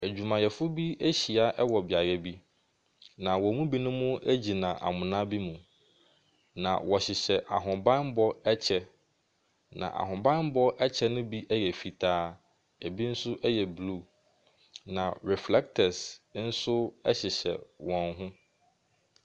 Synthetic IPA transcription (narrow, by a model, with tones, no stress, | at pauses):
æ˨d͡ʑᶣu˨mã˨jɛ˨fʊ˦bi˦æ˦ɕi˨a˦ʔɛ˦wɔ˨bɪ˨a˨ɾɛ˦bi˦ | nã˨wɔ˨mũ˦bi˦nʊ̃˦mʊ̃˦æ˦d͡ʑi˨nã˨ʔa̰˨mʊ̃˨nã˦bi˦mũ˨ | nã̰˨wɔ˨ɕɪ˨ɕɛ˨ʔa̰˨ɦʊ̃˨bã˦n˦bɔ˦ɛ˦t͡ɕʰɛ˦ | nã̰˨ʔa̰˨ɦʊ̃˨bã˦n˦bɔ˦ʔɛ˦t͡ɕʰɛ˦nʊ̃˦bi˦ʔɛ˦jɛ˨fi˨tʰaː˦ | æ˨bi˦n̩˦sʊ˦ʔɛ˦jɛ˨blu˦ | nã˨ɹɛ˨flɛ˦k̚tʰɛ˨sn̩˦sʊ˦ɛ̰˦ɕɪ˨ɕɛ̰˨wɔ̃˨nɦʊ̃˦